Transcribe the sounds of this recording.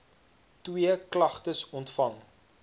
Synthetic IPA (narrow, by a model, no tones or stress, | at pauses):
twiəklɐχtəsɔntfɐŋ